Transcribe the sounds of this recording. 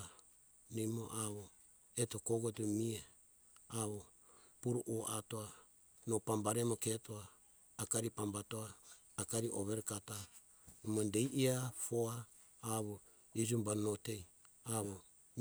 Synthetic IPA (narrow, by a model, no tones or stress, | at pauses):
nimo̰ʔaβo | eto̞koɡotumie | aβo | puɾuʔoʔatoa | nopambaɾemoketoaː | kaɾipambatoaː | kaɾiʔoβeɾkata | numondejʔiafoaː | βo | id͡ʒumbanotei | aβo